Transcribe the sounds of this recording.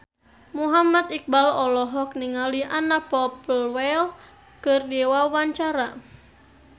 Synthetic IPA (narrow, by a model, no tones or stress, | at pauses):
muɦamat̪ik̚balɔlɔɦɔk̚niŋaliʔanapɔplwɛl | kɨrdɛwawaɲt͡ʃaɾa